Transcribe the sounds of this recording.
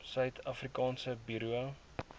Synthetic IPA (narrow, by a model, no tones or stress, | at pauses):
sœɥtʰɐfrikɑːnsəbiɾuə